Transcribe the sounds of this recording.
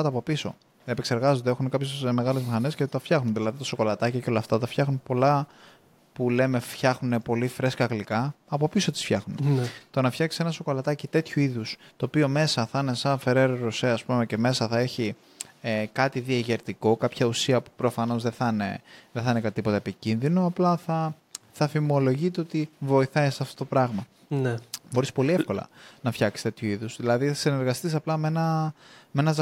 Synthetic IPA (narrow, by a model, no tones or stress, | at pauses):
ɐt̪ɐpo̞piso̞̰ | eepekse̞ɾɣɐzond̪eexunekɐpçesme̞ɣɐlezmixɐne̞scet̪ɐfçɐxnunðilɐðit̪oso̞ko̞lɐt̪ɐciceo̞lɐft̪ɐt̪ɐfçɐxnunpo̞lɐ | pule̞me̞fçɐxnune̞po̞lifɾe̞skɐɣlikɐɐpo̞piso̞t̪isfçɐxnunet̪o̞nɐfçɐksi̥se̞nɐsoko̞lɐt̪ɐcit̪e̞t̪çuiðust̪o̞ːpio̞me̞sɐθɐne̞sɐnfe̞ɾe̞ɾoɾoseɐspume̞ce̞me̞sɐθɐe̞çi | ekɐt̪iðiɐʝeɾt̪iko̞kɐpçɐusiɐpu̥pɾo̞fɐno̞zðe̞θɐnḛðeθɐinekɐt̪ipo̞t̪ɐepicinðinoɐplɐθɐ | θɐfimo̞lo̞ʝit̪̬eo̞t̪ivo̞iθɐjsɐft̪o̞t̪o̞pɾɐɣmɐ | nebo̞ɾispo̞lie̞fko̞lɐ̰nɐfçɐksi̥st̪e̞t̪çuiðuzðilɐðiθɐsine̞ɾɣɐst̪isɐplɐme̞nɐme̞nɐz